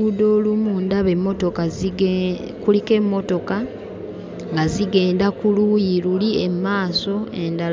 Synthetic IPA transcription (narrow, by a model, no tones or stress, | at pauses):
ud̪o̞ːlumuːndaβe̞mːo̞to̞ka | kulike̞mːo̞to̞ka | ŋɡaziɡe̞ːndakulujilulie̞maːso̞e̞ndal